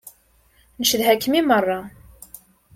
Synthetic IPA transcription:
nəʃəðɦækːmimərˤːɑ

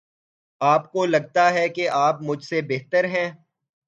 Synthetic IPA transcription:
aːpkolɐɡ̚t̪aɦɛkeʔaːpmʊd͡ʒʱsebeːɦt̪əɾɦɛ̃ː

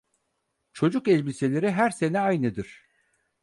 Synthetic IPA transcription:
t͡ʃʰo̞d͡ʒukɛlʲbise̞lʲe̞ɾiɦæɾse̞nɛajnɯd̪ɯɾ̥

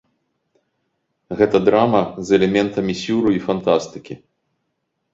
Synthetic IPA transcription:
ɣɛt̪ɐd̪ɾamɐzɛlʲɛmʲɛnt̪ɐmʲisʲuɾuifant̪ast̪ɨkʲi

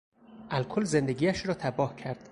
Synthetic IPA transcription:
ʔælkʰolzend̪eɡʲiːæʃɾɒːt̪ʰæbɒːhcʰæɾd̪̥

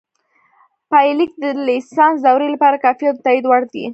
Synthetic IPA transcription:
pajlik̚d̪əlɪsɑnsd̪awɾelapɑɾakɑfijɑt̪t̪aid̪waɽd̪ḭ

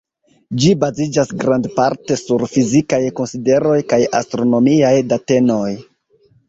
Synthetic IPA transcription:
d͡ʒibazid͡ʒasɡɾandpaɾte̞suɾfizikajko̞nside̞ɾo̞jkaja̰stɾo̞no̞miajdate̞no̞j

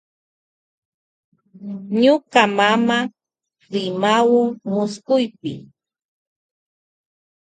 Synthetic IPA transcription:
ɲʊkamama | ɾɪmawʊŋmʊskʊjpɪ̰

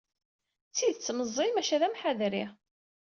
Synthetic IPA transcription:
t͡sːiðt͡sːməzˤːimæʃæðæmħaðɾi

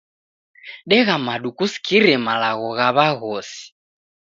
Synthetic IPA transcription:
ɗɛɣamaɗukusi̥kʰiɾɛmalaɣɔɣaβaɣɔsi̥

